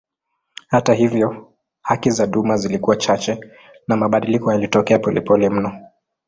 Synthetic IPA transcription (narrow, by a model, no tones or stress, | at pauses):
hataɦivjɔ | hakizaɗumazilikuwat͡ʃat͡ʃɛ | namaɓaɗilikɔjalitɔkɛapɔlɛpɔlɛm̩nɔ